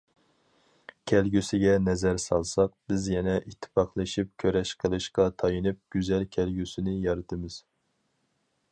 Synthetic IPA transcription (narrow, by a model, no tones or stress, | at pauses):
kʲʰɛlɡʲysɪɡʲɛnɛzɛɾsɑlˠsɑq̚b̥ɪzjɛnɛʔit̪ʰːɨ̥pɑχlˠɨʃip̚kʲʰøɾɛʃqʰəlˠɨʃqɑt̪ʰɑjɨnɨp̚ɡ̥ʲyzɛlkʲʰɛlɡʲysɪnɪjɑɾɨt̪ʰɨmɨz̥